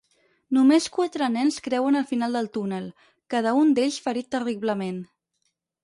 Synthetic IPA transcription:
numeskwat̪ɾənɛnskɾɛwənəlˠfinalˠd̪əlˠt̪unəlˠ | kaðəund̪eʎsfəɾit̪ːəriβləmen

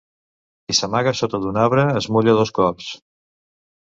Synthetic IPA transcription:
isəmaɣəsot̪əðunaβɾəːzmuʎəðoskɔs

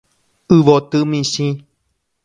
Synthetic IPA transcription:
ɨʋot̪ɨmĩsĩ

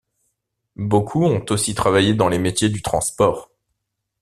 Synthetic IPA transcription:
bokʰuɔ̃t̪osit̪χavajed̪ɑ̃lemet̪jed̪yt̪χɑ̃spɔːʁ

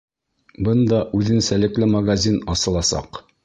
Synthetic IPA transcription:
bɤnd̪ɑʔʉðɘ̆nsælɘ̆klɘmɐɡazʲinɒsɤ̆lˠɑsɑ̰q

